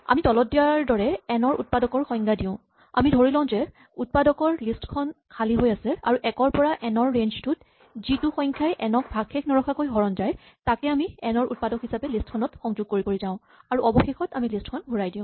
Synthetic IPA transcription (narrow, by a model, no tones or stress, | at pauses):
a̰mitɔlɔt̚dijaɹdɔɹɛɛnɔɹṵt̚padɔkɔɹxɔj̃ŋɡadiʊ̃ | a̰midʱoɹilãʊ̃zɛ | ut̚padɔkɔɹlistkʰɔnkʰaliɦojasɛa̰ɹuʔɛkɔɹpɔɹaʔɛnɔɹːenztut̚ | z̥ituxɔj̃ŋkʰjajʔɛnɔk̚bʱaɡxeknɔɹɔxʰakojɦɔɹɔnzaj | takɛamiɛnɔɹut̚padɔkɦisapɛlistkʰɔnɔtxɔŋzuɡ̚koɹipoɹizãʊ̃ | aɹuʔɔbɔxexɔtamilistkʰɔnbʱuɹajdiʊ̃